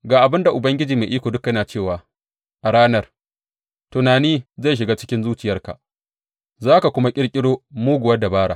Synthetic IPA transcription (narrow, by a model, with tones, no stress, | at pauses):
ɡaː˨ʔa˨bɪ˦nda˨ʔʊ˨bɐ˦ŋɡʲɪ˦d͡ʒiː˨me˨ʔiː˦kʷoː˨dʊ˦kjɐ˦naː˨t͡ʃeː˦˨waː˨ | ʔa˨ɽaː˦nɐ˦r | tʊ˨naː˨niː˦za˦˨ʃ̬ɪ˨ɡaː˦t͡ʃɪ˦kʲɪ˦nzuː˦t͡ʃɪ˨jɐ˦rka̰˨ʔ | zaː˦ka˨kʷʊ˦ma˦kʲʼɪ˦ɽkʲʼɪ˦ɽoː˦muː˦ɡʷʊ˨wɐ˦da˨baː˦ɽa̰˨